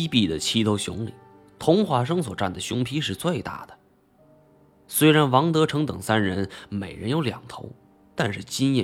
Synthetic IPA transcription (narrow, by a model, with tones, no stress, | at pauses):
i˥pi˥˩d̪ə˩t͡ɕʰi˥t̪ʰo˧˥ʊɕjʊ̰˧˥ŋli˨˩ | t̪ʰʊ˧˥ŋxwa˧˥ʂ̬ɤ˥ŋswɔ˨˩ʈ͡ʂa̰˥˩nd̪ə˩ɕjʊ˧˥ŋpʰi˥ʂɻ̩˥˧t͡swe˥˧ɪt̪a̰˥˩d̪̥ə̥˩ | swe˥ɪɻa˧˥nwɑ˧˥ŋt̪ɤ˧˥ʈ͡ʂʰɤ˧˥ŋt̪ɤ˨˩ŋsa˥nɻə˧˥nme˨˩ɪɻə˧˥njo˧˥ʊljɑ̰˨˩ŋt̪ʰo̰˧˥ʊ | t̪a˥˧nʂɻ̩˥˩t͡ɕi˥njɛ˥˩